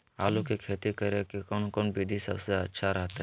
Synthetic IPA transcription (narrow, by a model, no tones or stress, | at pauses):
aːlukikʰeːt̪ikəɾekikɔːnkɔnbiːd̪ʱisɐbseɐtːʃʰaɾɐɦt̪ɛ